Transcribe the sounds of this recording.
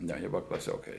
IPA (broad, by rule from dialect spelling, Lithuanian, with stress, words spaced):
ˈnʊ jiɛ ˈbʊʋɐ klˠɐˈsʲoːkɐɪ